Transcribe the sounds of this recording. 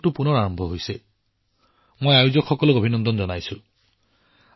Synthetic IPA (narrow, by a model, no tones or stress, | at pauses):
ʈupunɔɾaɹɔmbʱɔɦojse | mojajud͡ʒɔkxɔkɔlɔobʱinɔnd̪ɔnd͡ʒɔnajsu